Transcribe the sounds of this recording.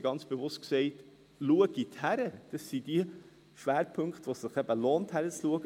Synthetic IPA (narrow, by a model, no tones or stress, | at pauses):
ɡɑnt͡sb̥evʊst̚ksɛɪt | luəɡ̥ithæɾəd̥əsid̥iə | ʃʋæːɾpʰɵŋkχt̪ʋosɪχɛb̥əloːnthæɾət͡sluəɡə